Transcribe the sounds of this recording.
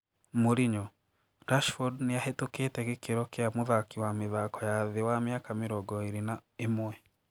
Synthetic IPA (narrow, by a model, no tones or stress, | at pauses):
moɾiɲɔ | ɾaʃfodnijahetukeːtɛkekeɾɔkeamuðakiwamiðakɔjaðewamjaːkameɾɔɡɔiɾinaemwɛ